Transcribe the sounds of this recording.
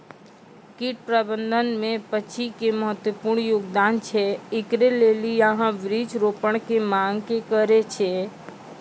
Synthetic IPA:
kiʈ̚pɾəbənd̪ʱənmẽpət͡ʃʰikeməɦət̪wəpuːɾɳjoːɡd̪aːnt͡ʃʰeɪkɾeleːliəɦãʋɾid͡ʒɾoːpəɽ̃kemãŋɡkekəɾet͡ʃʰe

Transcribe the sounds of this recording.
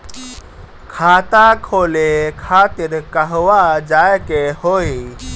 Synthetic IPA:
kʰaːt̪akʰoːlekʰaːt̪ɪɾkɐɦwad͡ʒaːekehoːi

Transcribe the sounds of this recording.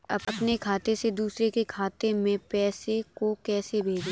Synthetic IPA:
ɐbɐpnekʰaːt̪esed̪uːsɾekekʰaːt̪emẽpɛːsekokɛːsebʱeːd͡ʒe

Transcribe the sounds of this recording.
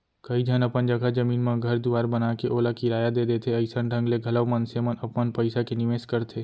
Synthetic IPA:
kɐid͡ʒ̪ʱənɐpənd͡ʒɐɡʱad͡ʒɐmiːnmãɡʱɐɾd̪uaːɾbɐnaːkeʔoːlakiɾaːjad̪eːd̪et̪ʰeɐɪsənɖʱə̃ŋɡleɡʱɐləʋmənsemənɐpmənpəɪsakenɪʋeːskɐɾt̪ʰeː

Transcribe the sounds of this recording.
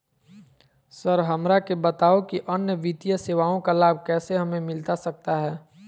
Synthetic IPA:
səɾɦɐmɾakebət̪aːokiʔənjəʋit̪ijəseːʋaːõkalaːb̚ʱkɛːseɦɐmẽmɪlt̪asɐk̚t̪aɦɛː

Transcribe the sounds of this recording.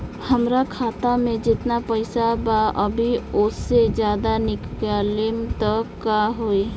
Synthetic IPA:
həmɾakʰaːt̪amẽd͡ʒɪt̪napəɪsabaəbʱiʊsːed͡ʒjaːd̪anɪkalɪmt̪əkːaɦoe

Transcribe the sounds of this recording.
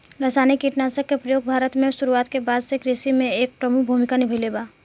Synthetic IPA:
ɾɐsaːnekiʈnaːsəkːepɾɐjoːɡ̚bʱaːɾət̪mẽsʊɾuaːt̪kebaːd̪sekɾisimẽeːk̚pɾəmukbʱuːmɪkanɪbʱəleːbaː

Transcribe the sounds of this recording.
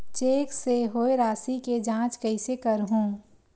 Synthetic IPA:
t͡ʃeːkseɦoeɾaːsiked͡ʒãːt͡ʃkəɪsekəɾɦũː

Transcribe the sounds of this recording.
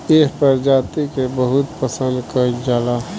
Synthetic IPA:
eɦpəɾd͡ʒaːt̪ikebəɦʊt̪pəsə̃nd̪kəd͡ʒaːla

